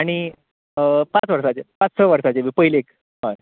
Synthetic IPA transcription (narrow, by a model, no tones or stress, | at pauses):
aɽ̃i | pãt͡sʋəɾsat͡ɕepãt͡ssəʋəɾsat͡ɕeʋipəɦileek | ɦã